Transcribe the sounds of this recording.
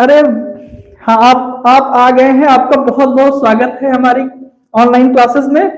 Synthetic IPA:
ɐɾe | hãaːp̚aːpaɡɐeɦɛ̃aːp̚kabɐɦʊt̪̚bɐɦʊt̪swaːɡət̪ɦɛɦɐmaːɾi | ɔːnlaːɪnklaːsɪsmẽ

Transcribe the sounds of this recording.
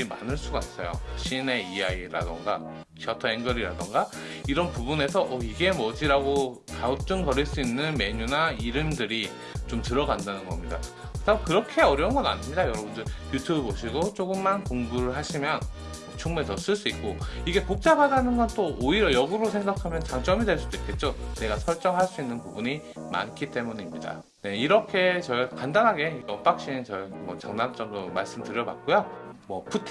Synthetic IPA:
ima̰nɯɭs͈uɡas͈ʌjo̰ɕʰine̞ijaiɾa̰do̰ŋɡa̰ | kʰiʌtʰʌeŋɡʌɾiɾa̰doŋɡaiɾʌnpubune̞sʰʌʔʌiɡe̞mʌd͡ʑiɾaɡo | kaut͡ɕ͈uŋkʌɾiɭs͈uinːɯnme̞ɲunaiɾɯmdɯɾi | t͡ɕomtɯɾʌɡandanɯnɡʌmɲida̰ | takɯɾʌkʰe̞ʌɾjʌunɡʌda̰ɲiɲidajʌɾʌbundɯɭjutʰjubeboɕʰiɡot͡ɕ͈oɡɯmːankoŋbuɾɯɭɦaɕʰimjʌn | t͡ɕʰuŋmesʰʌs͈ɯɭs͈uik̚k͈oiɡe̞kok̚t͡ɕ͈abadanɯnɡʌnt͈ooiɾjʌjʌɡuɾosʰe̞ŋɡakʰamjʌnt͡ɕaŋt͡ɕ͈ʌmidweɭs͈ud̥oik͈e̞t̚t͡ɕ͈one̞ɡasʰʌɭt͡ɕ͈ʌŋɦaɭs͈uinːɯnpubuɲi | ma̰nkʰit͈e̞muɲimɲida̰ | ne̞iɾʌkʰe̞t͡ɕʌikandanɦaɡe̞iʌp͈ak̚ɕ͈innt͡ɕʌimwʌ̰t͡ɕaŋnamt͡ɕ͈ʌmdoma̰ɭs͈ɯmtɯɾjʌba̰k̚k͈ojomwʌpʰutʰ

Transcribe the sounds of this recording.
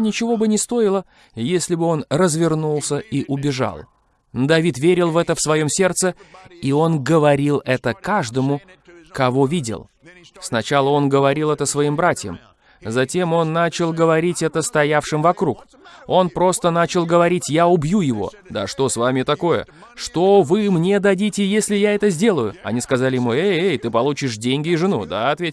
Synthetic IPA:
nʲɪt͡ɕɪvo̞bɨnʲɪst̪o̞ɪlˠə | jesʲlʲɪbɨo̞nrəzvʲɪrnulˠsʲəiʔʊbʲɪʐa̰lˠ | nd̪ɐvʲit̪vʲeɾʲɪlˠvɛt̪əfsvɐjo̞msʲe̞rt̪səio̞nɡəvɐɾʲilˠɛt̪əkaʐd̪əmʊkɐvo̞vʲidʲɪ̰lˠ | snɐt͡ɕalˠəo̞nɡəvɐɾʲilˠɛt̪əsvɐimbɾatʲjə̰m | zɐtʲe̞mo̞nːat͡ɕɪlˠɡəvɐɾʲitʲɛt̪əst̪ɐjafʂɨmvɐkɾuk | o̞npɾo̞st̪ən̪at͡ɕɪlˠɡəvɐɾʲitʲjaʊbjujɪvo̞̰ | d̪a̰ʂt̪o̞svamʲɪt̪ɐko̞jə̰ | ʂt̪ovɨmnʲe̞d̪ɐdʲitʲɪjesʲlʲɪjaɛt̪əzʲdʲe̞lˠəjʊɐ̰nʲiskɐzalʲɪjɪmueejt̪ɨpɐlˠut͡ɕɪʂdʲenʲɡʲɪːʐɨnud̪a̰ɐt̪vʲetʲɪ

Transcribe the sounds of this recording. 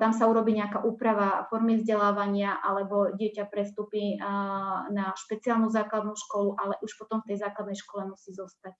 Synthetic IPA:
t̪amsauɾɔbiːɲɛakaʔuːpɾaʋafɔɾmizɟɛlaːʋaɲɪaʔa̰lɛbɔɟɪɛcapɾɛst̪upi | naʃpɛt͡sialnuːzaːklad̪nuːʃkɔluʔalɛʔuʃpɔt̪ɔmft̪ɛjzaːklad̪nɛjʃkɔlɛmusiːzɔst̪ac

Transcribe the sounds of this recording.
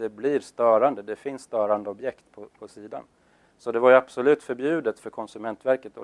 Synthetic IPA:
ɛbliːɾst̪œːɾand̪əd̪ɛfɪnsːt̪œːɾand̪əɔbjɛkt̪pʰɔpʰɔsiːd̪a̰n | sɔd̪ɛvaɾjabsɔlʉ̟ːt̪fœɾbjʉ̟ːd̪ət̪fœɾkʰɔnsɵmɛnt̪væɾkət̪ɔ

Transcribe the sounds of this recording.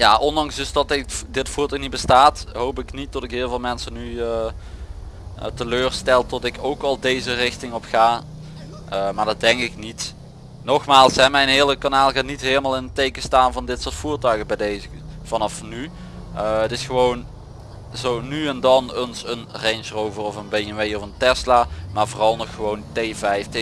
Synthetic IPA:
jaːʔɔndɑŋsdɵsdɑtɪdɪtfuːɹtœɥxnit̚bəstaːtɦowpɪknit̚d̥ɑtɪkɦɪːlˠvɪːlˠmɛnsəny | təløːrstɛlˠtɔtɪkowkɑlˠdejzərɪxtɪŋɔpxaː | ʔəmaːɹdɑdɛŋkɪknit | nɔxmaːlˠsɦɛmɛjnɦɪːləkanaːlˠɣaːtnitɦeːləmaːlˠɪnətejkəstaːnvɑndɪtsʊːɹtfuːrtœɥɣəbɛjdejzəv̥ɑnɑfny | əətɪsxəʋown | zownyɛndɑnənsənrɛnsrowvərɔfənbejənʋejɔfəntɛslaːmaːɹvoːrɑlˠnɔxːəʋowntejvɛjftɪ

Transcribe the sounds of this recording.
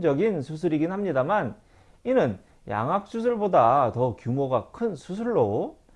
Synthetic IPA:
d͡ʑʌɡinsʰus̬ʰɯɾiɡinhamɲidaman | inɯn | ja̰ŋɦak̚s͈us̬ʰɯɭbodatʌkjumoɡakʰɯnsʰusʰɯɭːo

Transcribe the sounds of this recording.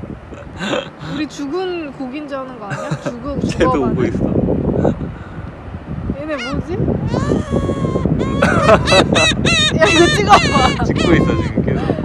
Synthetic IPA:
uɾit͡ɕuɡɯnkoɡind͡ʑʌnɯnɡaɲat͡ɕuɡɯt͡ɕʰedoːɡois͈ʌ̰ | enemod͡ʑi | otʰiɡaat͡ɕikk͈ois͈ʌt͡ɕiɡikeo

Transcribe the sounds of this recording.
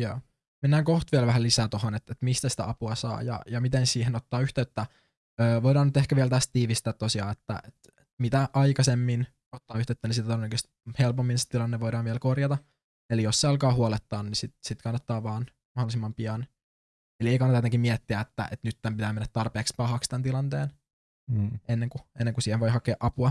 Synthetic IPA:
jæː | menːæːŋkoht̪ʋiɛlʋæhælisæːt̪ohonet̪et̪mist̪æsi̥t̪æ̰ɑpuɑsɑ̰ːjɑ̰jɑmit̪ensiːhenot̪ːɑːyht̪eyt̪ːæ | øːʋoidɑːnyt̪ehkæʋiɛlt̪æst̪t̪iːʋist̪æːt̪t̪ːosiɑ̰ːet̪ːæ̰ʔet̪ | et̪mit̪æʔɑjkɑsemːin | ot̪ːɑːyht̪eˑøyt̪ːænisit̪æt̪onnːækyst̪i̥helpomːinse̥t̪ilɑnːeʋoidɑːnʋɛlkorjɑt̪ɑ | elijosseɑlkɑːhuolet̪ːɑːnnisit̪sit̪kɑnːɑt̪ːɑːʋɑːn | mɑholisimːɑmpiɑn | elieikɑnːɑt̪ɑjet̪eŋkimiɛt̪ːiæet̪ːæ̰ʔet̪nyt̪ːæmpit̪æːmenːæt̪t̪ɑrpeːkspɑhɑkst̪ænt̪ilɑnt̪eːn | enːeŋkuenːeŋkusiːheʋojhɑkeːʔɑpuɑ

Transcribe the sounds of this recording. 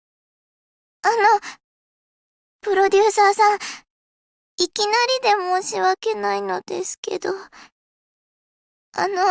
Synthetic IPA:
ano̞ | pɯ̟ɾo̞d̪ʲɨːsaːsãŋ | ikʲinaɾʲid̪e̞moɕiβake̞naino̞d̪̥e̞̰sɨ̥ke̞̰d̪o̞ | a̰no̞

